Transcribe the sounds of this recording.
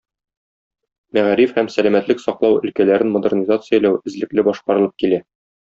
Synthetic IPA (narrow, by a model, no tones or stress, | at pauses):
mæʁɾifhæmsælæmæt̪lɘksɒqlˠɑwɵ̆lkælæɾɘnmod̪ɘrnʲizat̪sɨjalæwɘ̆zlɘ̆klɘbɒʃqɑɾɤ̆lˠɤp̚kilæ